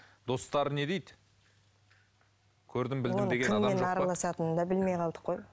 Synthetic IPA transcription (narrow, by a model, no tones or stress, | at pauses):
d̪̥o̞st̪ɑɾəne̞d̪ejd̪ | kʲʰɵɾd̪ɪmbɪlonmeɡʲenɑmɑenɑɾɑlˠɑsɑt̪ənəd̪ɑbɪlme̞jqʰɑlˠd̪ə̥qʰːo̞j